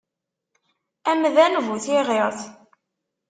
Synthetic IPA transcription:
æmðænvuθɪʁeʁθ

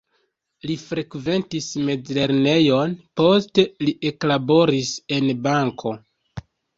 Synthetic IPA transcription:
lifɾe̞kve̞ntisme̞d͡zle̞ɾne̞jo̞npo̞ste̞liʔe̞klabo̞ɾise̞nbaŋkʰo̞

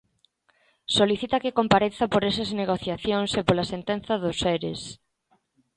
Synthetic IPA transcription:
soliθit̪ɐkekompaɾeθɐpoɾes̬ɐzneɣ̞oθjaθjoŋsepolasent̪enθɐðʊseɾḛs

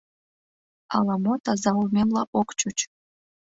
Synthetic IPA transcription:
ɑ̰lɑmot̪ɑzɑumʲemlɑʔokt͡ɕut͡ɕ

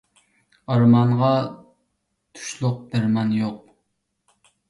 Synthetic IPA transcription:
ɑɾmɑɴʁɑ | t̪ʰu̥ʃlˠʊq̚b̪æɾmɑnjoq̚

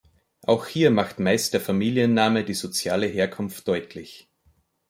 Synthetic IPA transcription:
ʔaʊxhiːɐmaxtmaɪstd̥eːɐfamiːlijənːaːmədiːzot͡sjaːləɦeːɐkʰʊnftd̥ɔʏtʰlɪç

